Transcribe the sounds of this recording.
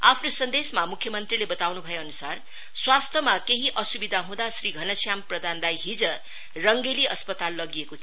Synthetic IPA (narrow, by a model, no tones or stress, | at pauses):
apʰnosʌnd̪esmamukʰːjʌmʌnt̪rilebʌt̪awnubʱʌjeʌnusar | swast̪ʰʌmakeɦiʔʌsubid̪ʱaɦũd̪asriɡʱʌnʌsjamprʌd̪ʱand̪ajɦid͡zʌ | rʌŋɡeliʔʌspʌt̪alːʌɡiekot͡sʰ